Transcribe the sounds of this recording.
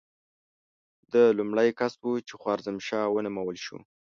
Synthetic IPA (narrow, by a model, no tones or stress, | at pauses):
d̪əlumɽəjkasbut͡ʃexwɑɾzəmʃɑwənʊmawəlʃṵ